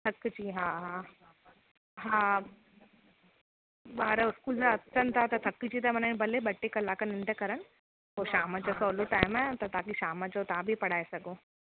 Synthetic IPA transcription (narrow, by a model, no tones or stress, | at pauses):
t̪ʰɐkd͡ʑiːɦãːɦaː | ɦãː | ɓaːɾəʊskuːld͡ʑaɐtsənt̪ʰat̪ɐt̪ʰɐkːd͡ʑiːt̪ɐmɐnənbɐleɓɐʈːekɐlaːkənɪ̃ɳɖkɐɾənɪ̆ | ɦoːʃaːməd͡ʑoːsɔːloʈaːɪmãt̪ɐt̪ɐakiʃaːməd͡ʑot̪ɐʋãbʱipɐɽ̤aːesɐɡʱõː